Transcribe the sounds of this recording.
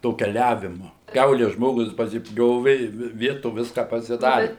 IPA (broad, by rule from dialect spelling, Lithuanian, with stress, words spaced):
toː kʲɛˈlʲæːʋʲɪmʊ ˈkʲɛʊlʲɛ ˈʒmoːɡʊs pɐsʲɪˈpʲjoːʋʲɪ ɪ ˈʋʲɪ ˈʋʲiɛtoː ˈʋʲɪskɐ pɐsʲɪˈdɑːrʲɪ